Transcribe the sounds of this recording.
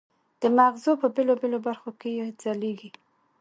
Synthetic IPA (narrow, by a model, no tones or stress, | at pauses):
d̪̥əmaɣzopəbelobelobaɾxokejezɑleɡi